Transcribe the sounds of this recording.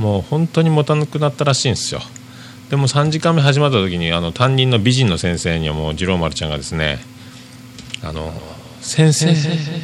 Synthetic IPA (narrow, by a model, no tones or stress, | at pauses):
mo̞ːhõ̞nt̪o̞ɲ̟imo̞t̪anɯkɯ̟nat̪ːaɾaɕĩːñsɨjo̞̰ | d̪̥e̞mo̞sãɲ̟d͡ʑikãmːeɦaʑimat̪ːat̪o̞kʲiɲ̟iano̞t̪ãɲ̟ːĩnːo̞bʲiʑĩnːo̞sẽ̞ɰ̃se̞ːɲ̟iβa̰mo̞̰ːd͡ʑiɾo̞ːmaɾɯ̟t͡ɕã̰ŋɡa̰d̪e̞sɨne̞̰ | a̰no̞̰ | sẽ̞ɰ̃se